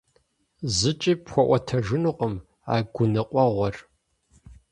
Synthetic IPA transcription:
zɨt͡ʃʼiːpxʷɔʔʷɔtʰɐʒɪnuːqʼəm | a̰ːɡʷʊnɨqʷʼɔʁʷɔr

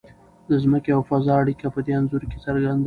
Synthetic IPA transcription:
d̪əzməkeawfazɑaɽikapəd̪eanzʊɾke̥saɾɡand̪a

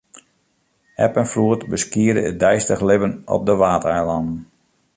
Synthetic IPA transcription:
ɛpənfruətbəskiədəət̚dɛjstəχlɪbənɔ̰p̚dəʋaːtɛjlɑndn̩

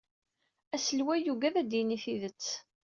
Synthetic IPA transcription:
æsəlwæjuɡæðæd̪jiniθiðət͡sː

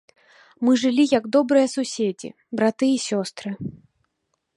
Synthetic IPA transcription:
mɨʐɨlʲijɐɡd̪ɔbɾɨjɐsusʲed͡zʲḭ | bɾat̪ɨisʲɔst̪ɾɨ

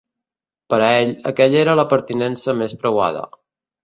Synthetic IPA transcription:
pəɾɛʎə̰kɛʎeɾələpəɾt̪inɛnsəmespɾəwa̰ðə̰

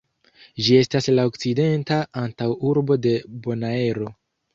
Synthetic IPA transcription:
d͡ʒie̞staslao̞kt͡side̞ntaantawuɾbo̞de̞bo̞nae̞ɾo̞

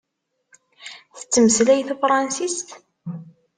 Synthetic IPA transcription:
θə̥t͡sːəməslæjθufɾˤɑnsist̪

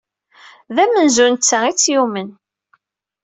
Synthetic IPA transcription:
ðæmənzunt͡sːait͡sːjumən

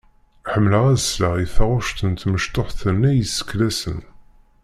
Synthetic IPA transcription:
ħəmːləʁæðəsləʁiθæʁʊʃt̪ənt̪məʃt̪oħθənːæjəsːə̥kːlæsə̰n

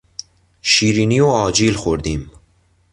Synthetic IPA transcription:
ʃiːɾiːnioɑːd͡ʒilxoɾd̪iːm

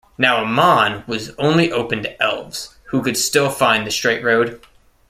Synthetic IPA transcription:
naʊəmɑ̃nwʌzõʊ̃nliʔoʊpɨ̃ntʰɨɛlˠvz̥ | hukɨd̥stɪlˠfãɪ̃nðɨstɹ̥eɪʔ̚ɹoʊd̥

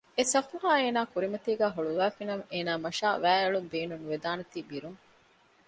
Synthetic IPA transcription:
esɐfuɦaːeːnaːkuɾimɐt̪iːɡæːɦoɭuʋæːfinɐmeːnaːmɐʃaːʋæːɐɭumbeːnunuʋed̪aːnɐt̪iːbiɾuŋ

